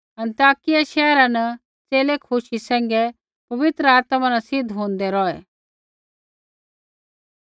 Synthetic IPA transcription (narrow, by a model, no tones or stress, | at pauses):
ɐ̃nt̪aːkɪjaʃɛːɾãnɐ | t͡seːlekʰʊʃisɛ̃ːŋɡɛ | pɐʋɪt̪ɾəaːt̪mãnasɪd̪ʱɦõːnd̪ɛɾɔɛ